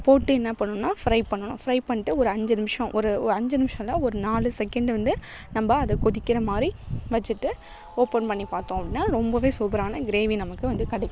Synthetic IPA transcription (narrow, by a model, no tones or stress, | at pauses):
poːʈːɯɛnːɐpːɐɳːʊ̃nːaːfɾɐɪpɐɳːɐɳʊ̰̃fɾɐɪpɐɳːɪʈːɯɔɾɯɐɲd͡ʒɯnɪmɪʂɐ̃ʔɔɾɯɐɲd͡ʒɯnɪmɪʂɐ̃lãːɔɾɯnaːlɯsɛkɛɳɖʋɐnd̪ɯ | nɐmbɐɐðɯkɔðɪkːɪɾɐmaːd̪ɾiʋɐt͡ʃːɯʈːɯ | oːpɐnpɐɳːipaːɾt̪õːɐp̚ɽɪnːaːɾɔmbɐʋeːsuːbɐɾaːnɐɡɪɾeːʋinɐmɐkːɯʋɐnd̪ɯkɐɽɐɪkːʊ̃